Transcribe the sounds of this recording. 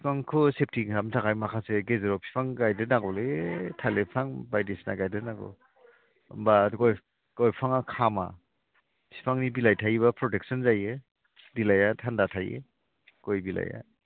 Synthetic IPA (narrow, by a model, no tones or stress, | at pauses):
pʰi̥pʰaŋkʰɯsep̚tʰiŋʰamtʰakajmakʰaseɡezeɾɔpʰi̥pʰaŋɡajdɯnaɡɔletʰalepʰaŋbajdisna̰ɡajdɯnaɡɔ̰ | mbaɡɔj | ɡɔjpʰaŋakʰama | pʰi̥pʰaŋnibilajtʰajbapʰɾɔtek̚sɔnzajɯ | dilajatʰandatʰajḛ | ɡ̥ojbila̰ja̰